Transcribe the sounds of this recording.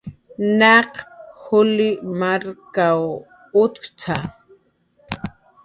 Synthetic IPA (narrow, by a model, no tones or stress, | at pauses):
naqxʊlɪmaɾkaw | ʊt̪kt͡sʰa